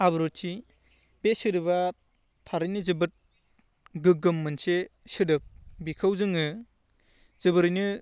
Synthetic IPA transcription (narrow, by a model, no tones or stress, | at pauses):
abɯɾutt͡ʃi | besɯɾɯβa | tʰaɾɯjnɯzɯbɯt̚ | ɡɯɡɯmːɯnsesɯdɯp̚bikʰawzɯŋɯ | z̥ɯbɯɾɯjnɯ